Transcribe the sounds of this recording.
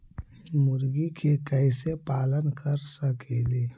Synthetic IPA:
mʊɾɡikʰekɛɪsepaːlənkəɾsəkeːleː

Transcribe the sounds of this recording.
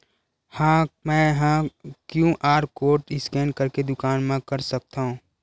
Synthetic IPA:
hãːmɛ̃ːɦãːkjũʔaːɾkoːɾʈɪskɛ̃ːnkɐɾked̪ʊkaːnmẽkɐɾsɐk̚t̪aɦũː

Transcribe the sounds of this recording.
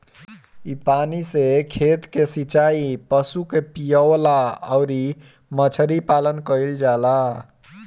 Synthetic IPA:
ipanisekʰet̪kesit͡ʃaipəsukepijəlaəɾi | mət͡ʃʰəɾipalənkəjld͡ʒala

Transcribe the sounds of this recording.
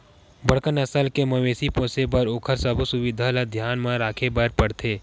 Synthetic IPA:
bəɽkənɐsəlkemɐʋeːsipõːsebəɾoːkʰəɾsəbʱusʊʋɪd̪ʱalɐd̪ʱjaːnmãɾaːkʰebəɾpɐɽt̪ʰeː

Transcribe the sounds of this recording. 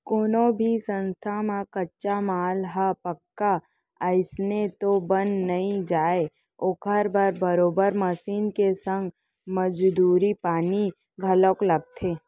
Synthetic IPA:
koːnõbʱisə̃nst̪ʰamãkɐtːʃamaːlɦapəkːa | əɪsnet̪obənnɐɦĩd͡ʒaːe | okʰəɾbəɾbəɾoːbəɾmɐsiːnkesə̃ŋɡ | məd͡ʒd̪uːɾipaːni | ɡʱɐləklɐɡ̚t̪ʰeː

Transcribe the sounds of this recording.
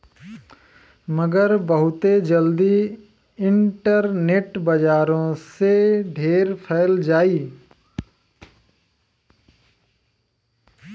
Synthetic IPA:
məɡəɾbəɦʊt̪ed͡ʒəld̪i | ɪ̃ɳʈəɾneːʈbɐd͡ʒaːɾõseɖʱeːɾpʰɛɪld͡ʒaːiː

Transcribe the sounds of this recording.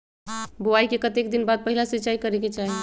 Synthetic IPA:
boaikekət̪ekd̪inbad̪̚pəɦilasitːt͡ʃaikəɾeket͡ʃaɦe

